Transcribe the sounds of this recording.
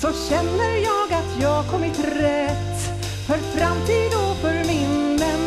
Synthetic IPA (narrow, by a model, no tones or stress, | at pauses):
sɔɕɛnːəɾjɑːɡat̪ʰjɑːɡkʰɔmːɪt̪ɾɛt̪ː | fœɾfɾamt̪ʰiːd̪ɔfœɾmɪnːən